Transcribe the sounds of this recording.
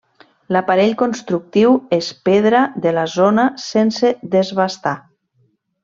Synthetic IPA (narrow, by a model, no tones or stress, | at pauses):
lapaɾeʎkonst̪ɾuk̚t̪iwespeðɾaðelazonasenseðezβast̪a